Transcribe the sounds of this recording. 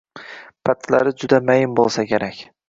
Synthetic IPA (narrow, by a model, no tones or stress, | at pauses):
pʰat̪ʰlaɾɪd͡ʒʊd̪amajɪmbolˠsakʲʰeɾakʲ